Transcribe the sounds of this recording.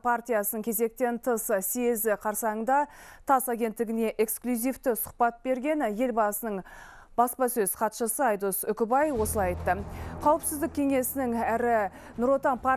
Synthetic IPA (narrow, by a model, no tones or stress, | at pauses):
pʰart̪ijasənəŋkʲʰe̞ze̞k̚t̪e̞nt̪ʰəsseezɪqʰɑɾsɑəɴd̪ɑt̪ʰɑsaɡʲe̞nt̪ːɪɡʲɪne̞ʔe̞ksklʲuzijft̪ɪsʊ̥χpɑt̪̚be̞ɾɡʲe̞nje̞lbɑsənəɴ | bɑspɑsɵzqʰɑt̪ʃəsəɑjd̪osʏkʲɪbɑjwo̞səlˠɑjɑjt̪ːəqʰɑwəpsɪzd̪ɪkʲʰe̞ŋe̞sɪnɪŋæɾɪ | nʊɾwot̪ɑnpʰa